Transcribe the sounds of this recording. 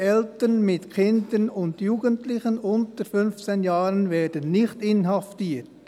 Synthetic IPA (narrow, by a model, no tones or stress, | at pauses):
ɛltənmɪtkʰɪndənʊndjuːɡ̥əntlɪxənʊntəɾfʏnft͡senjɑːɾənvɛːdənːɪçtɪnɦɑftiːt